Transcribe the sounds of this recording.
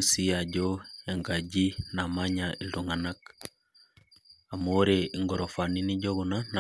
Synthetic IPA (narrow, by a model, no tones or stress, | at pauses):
sijaɟojaŋɡaɟinamaɲailduŋanak | amoɾeiŋɡoɾofaniniɟoɡunana